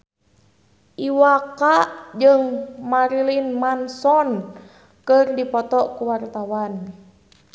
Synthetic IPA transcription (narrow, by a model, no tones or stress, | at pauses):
ʔiwakaʔd͡ʒəŋmaɾilinmansɔn | kɨrdipɔt̪ɔʔkuwart̪awan